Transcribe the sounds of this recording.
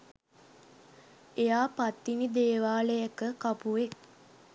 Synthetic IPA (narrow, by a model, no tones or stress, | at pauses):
ejaːpat̪ːinid̪eːʋaːləjəkəkapuʋek̚